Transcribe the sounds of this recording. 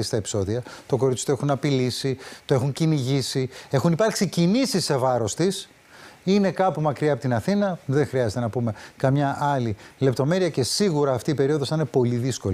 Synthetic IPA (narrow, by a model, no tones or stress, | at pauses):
ist̪ɐe̞pi̥so̞ðiɐt̪o̞ko̞ɾit͡s̪i̥t̪oexunɐpilisit̪oe̞xuɲciniʝisie̞xunipɐɾksicinisisːe̞vɐɾo̞st̪is | ine̞kɐpumɐkɾiɐpot̪inɐθinɐðe̞ŋxɾiɐzet̪e̞nɐpume̞kɐmɲɐʔɐlile̞p̚t̪o̞me̞ɾiɐce̞siɣuɾɐːft̪iːpe̞ɾio̞ðo̞st̪ɐnepo̞liðisko̞l